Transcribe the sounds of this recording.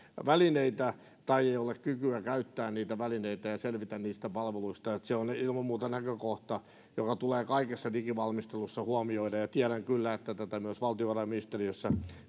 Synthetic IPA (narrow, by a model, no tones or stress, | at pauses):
ʋælineit̪æ | t̪ɑieiolekkykyækæyt̪ːæːnniːt̪æʋælineit̪æjɑselʋit̪ænniːst̪æpɑlʋeluist̪ɑet̪seonilmɑmmuːt̪ɑnækøkoht̪ɑ | jokɑt̪uleːkɑikesːɑnikiʋɑlmist̪elusːɑhuɑmioidɑjɑt̪iæɾæŋkylːæet̪ːæt̪æt̪æmyøsʋɑlt̪ioʋɑrɑjminist̪eriøsːæ